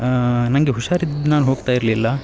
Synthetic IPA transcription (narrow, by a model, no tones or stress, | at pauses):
nɐŋɡeɦuʂaːɾid̪naːlɦo̞ːɡt̪aːjiɾlilːɐ